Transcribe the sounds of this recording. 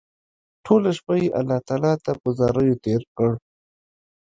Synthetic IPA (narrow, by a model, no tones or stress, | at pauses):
ʈʰolaʃpajeʔalːɑht̪ɑːlɑt̪apəzɑɾəjot̪eɾkəɽ